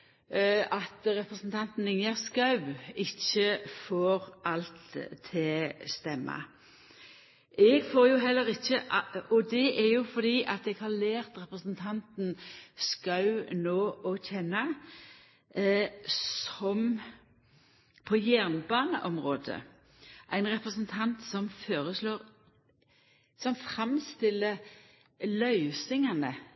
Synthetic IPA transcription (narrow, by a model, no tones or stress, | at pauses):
ɑt̪ɾɛpɾəsn̩t̪ʰɑnt̪n̩ɪŋəʁskɑʉɪçːəfoːɾʔɑlt̪ʰːɪlst̪ɛmːɑ̰ | ʔɛɡfoːɾjʊɦɛlːəɾɪçːəʔɔd̪ɛʔɛʁjʊfɔd̪iːʔɑt̪ɛɡhɑʁlæːʁt̪ɾɛpɾəsnt̪ʰɑnt̪n̩skɑʉnoːʔɔçɛnːɑ | sɔm | pʰɔjæʁnbɑːnəʔɔmʁoːd̪ə̰ | ʔæɪnʁɛpʁəsənt̪ʰɑnt̪sɔmføːɾəsloːɾ | sɔmfʁɑmst̪ɪlːə | lœʏsɪŋɑnə